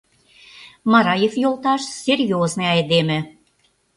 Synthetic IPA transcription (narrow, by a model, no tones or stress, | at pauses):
mɑɾɑjefjolˠt̪ɑʃsʲerʲjoznɤɑjd̪emɘ̆